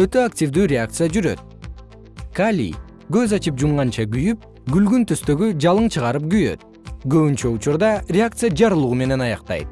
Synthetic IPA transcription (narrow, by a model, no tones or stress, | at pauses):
ø̞t̪ø̞aktʲivd̪yːɾʲeak̚t̪sɨjad͡ʒyɾø̞̰t̪̚ | kalʲḭ | ɡø̞zɑt͡ʃɯpd͡ʒumʁɑnt͡ʃɑɡyjyp̚ | ɡylɡynt̪ʰøst̪ø̞ɡyd͡ʒɑlˠɯɴt͡ʃʰɯʁɑɾɯp̚ɡyjø̞̰t̪̚ | ɡø̞βynt͡ʃø̞ut͡ʃuɾd̪ɑrʲeakt̪sɨjad͡ʒɑɾɯlˠuʁume̞ne̞nɑjɑqt̪ɑ̰jt̪̚